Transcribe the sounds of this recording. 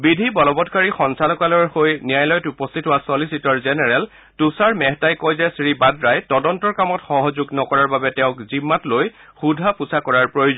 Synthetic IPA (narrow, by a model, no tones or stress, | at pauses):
bidʱibɔlɔbɔtkaɹixɔnsalɔkalɔɹxojnijajlɔjɔtupɔstʰitɦʊwasɔlisitɔɹzɛnɛɹɛl | tusaɹmɛɦtajkojzɛsɹibadɹajtɔdɔntɔɹkamɔtxɔɦɔzuɡnɔkɔɹaɹbabɛtɛʊ̃kzimːatloj | xudʱapusakɔɹaɹpɹojuzɔ